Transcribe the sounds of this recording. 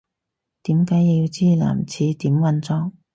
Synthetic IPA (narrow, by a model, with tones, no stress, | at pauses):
t̪iː˨˥mkaː˨˥ji˧jiː˧wt͡siː˥la̰ː˨˩mt͡sʰiː˨˥t̪iː˨˥mwɐ˧nt͡sɔː˧ŋ